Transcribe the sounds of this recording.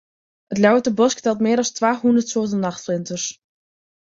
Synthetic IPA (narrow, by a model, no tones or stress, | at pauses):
ətlʲjɔwtəbɔsktɛlˠtmɪəɾɑlˠstʋaːhundərtsoətənːɑxtflɪntəs